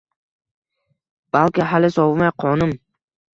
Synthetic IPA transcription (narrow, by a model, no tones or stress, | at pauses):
b̥alkʲɪɦalɪsɒvmajqʰɒnʊm